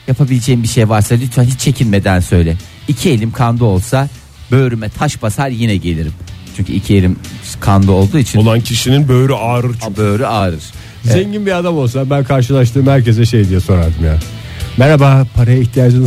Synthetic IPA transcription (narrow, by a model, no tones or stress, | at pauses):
japʰabilʲed͡ʒejimbiʃejvaɾsad̪ʲit͡ʃ̪ʰanɦit͡ʃt͡ʃʰːe̞cʰilʲme̞d̪ænsø̞jlʲɛ | icʰielʲimkʰand̪uo̞lˠsa | bø̞ːɾymɛt̪ʰaʃbasaɾjinɛɟelʲiɾimt͡ʃʰyɲʲcʰy̰icʰielʲimkʰand̪uo̞lˠd̪uːit͡ʃʰinlˠancʰiʃininbø̞ːɾyʔaːɾɯɾt͡ʃʰbøɾyaːɾɯɾ̥ | zeɲɟinbiad̪amo̞lˠs̬abænkʰaɾʃ̬ɯlˠaʃ̬t̪ʰɯːmhæɾce̞zɛʃe̞jd̪ijɛso̞nɾaɾd̪ɯmjaː | mɛɾabaːpʰaɾajaiçt̪ʰijaːd͡ʒɯn